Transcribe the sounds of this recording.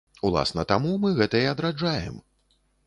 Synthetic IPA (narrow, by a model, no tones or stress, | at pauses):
ulˠa̰snɐt̪amumɨɣɛt̪ɐiɐd̪ɾad͡ʐajɛ̰m